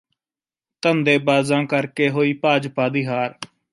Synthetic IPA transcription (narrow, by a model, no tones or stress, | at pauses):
t̪ənd̪eːbaːzãːkəɾkeːɦoːiːpaːd͡ʒpaːd̪ɪːɦaːɾ